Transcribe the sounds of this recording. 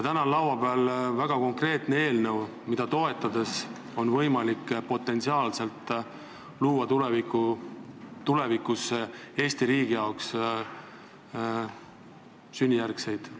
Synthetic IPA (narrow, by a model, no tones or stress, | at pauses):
jt̪ænɑlːɑwwɑb̥eɑlvæɡ̥ɑko̞ŋkre̞ːt̪nee̞ːlnəw | mid̪̥ɑt̪o̞e̞t̪ːˑɑd̪̥e̞s | o̞nvɤjmɑlikpo̞t̪ːˑe̞nt̪siɑːlse̞lt̪ˑː | luːwɑt̪uleviku | t̪ule̞vikːˑuse̞ːsʲt̪iɾiːɡ̥ijɑoks | synʲːijærkse̞jd̪̥